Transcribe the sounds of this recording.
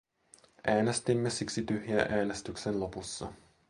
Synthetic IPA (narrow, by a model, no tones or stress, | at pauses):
ʔæːnest̪imːesiksit̪yhjæʔæːne̞st̪yksenlo̞pusːɑ̰